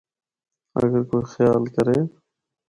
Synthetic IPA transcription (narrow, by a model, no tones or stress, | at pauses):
ə̰ɡəɾkoːixjaːlkəɾeː